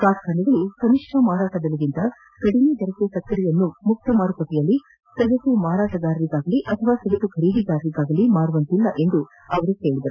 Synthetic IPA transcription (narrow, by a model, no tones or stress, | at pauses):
kaːskʰaːniɡɐɭukɐmiʂʈʰɐmaːɾaːʈɐd̪ɐluɡint̪ɐ | kɐɽined̪ɐɾɐkesɐk̪ːɐɾijɐnːumuk̚t̪ɐmaːɾukɐʈːɛjɐlːi | sɐɡɐt̪umaːɾaːʈɐɡaːɾɐʋiɡaːɡɐliʔɐt̪ʰɐʋaːsɐɡɐt̪uɡʱɐɾiːɡiɡaːɾʋiɡaːɡɐlimaːɾuʋɐnt̪ilːɐʔe̞nd̪u | ɐʋɐɾuke̞ːɭid̪ɐɾu